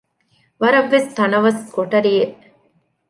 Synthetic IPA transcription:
ʋɐɾɐʋːest̪ɐnɐʋɐskoʈɐɾijeʔ

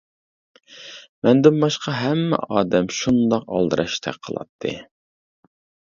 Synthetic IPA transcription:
mɛnd̪ɪnbɑʃqʰɑɦɛmːɛ̰ʔɑːd̪ɛmʃund̪ɑqɑ̰lˠd̪ɨɾʔɑʃt̪ʰɛ̰qʰəlˠɑ̰t̪ʰːɨ̰

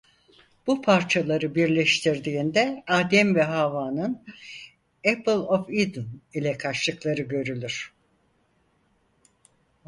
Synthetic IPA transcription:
b̥upʰaɾt͡ʃʰalˠaɾɯbiɾlʲɛʃt̪ʰiɾd̪iːnd̪ɛaːd̪ɛmvɛɦaːvaːnɯn | ɛpɯlˠofid̪nilʲɛkʰaʃˠɯklˠaɾɯɟø̞ɾylʲyɾ̥

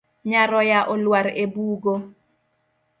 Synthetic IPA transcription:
ɲaɾɔjaʔɔlwaɾebuːɡo

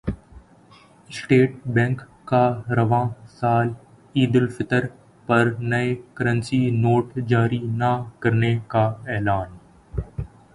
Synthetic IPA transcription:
sʈeːʈbɛ̃ːŋkːaɾɐʋãːsaːl | iːd̪ɪlfɪt̪əɾ | pɐɾnɐekɐɾə̃nsinoːʈd͡ʒaːɾinɐkɐɾnekaɛːlaːn

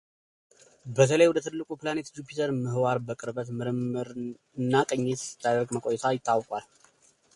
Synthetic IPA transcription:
bət̪ʰələjwɔd̪ət̪ʰɨlːɨkʼuplanet̪d͡ʒupʰit̪ʰəɾmɨhwaɾbəkʼɨɾbət̪mɨɾɨmɨɾ | ɨnːakʼəɲːet̪ɨ̥t̪ʰːad̪əɾɡməkʼojɛt̪ʰajɪt̪ʼːawkʼwal

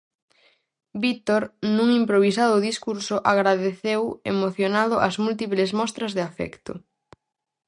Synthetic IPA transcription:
bit̪oɾnuŋimpɾoβ̞isaðʊðiskuɾsʊʔaɣɾaðeθewḛmoθjonaðʊʔazmult̪iplezmɔst̪ɾɐzðeafɛ̰kt̪ʊ̰

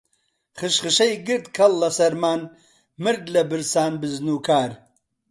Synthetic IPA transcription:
χɨʃχɨʃɐjɡɨɾd̪kʰɐlːɐsɐɾmaːn | mɨɾɡlɐbɨɾsaːnbɨznuːkʰaːɾ

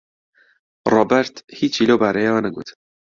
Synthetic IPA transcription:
rɔːbɛɾt̪hiːt͡ʃiloːbaːɾejawanɐɡṵːt̪ʰ

